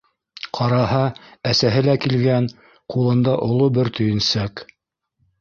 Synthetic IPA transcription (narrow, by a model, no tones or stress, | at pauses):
qʰɑɾɑɦɑæsæɦɘlækilɡæn | qulˠɤ̆nd̪ɑʔŏlˠobɘɾt̪ɵ̆jɘ̆nsæk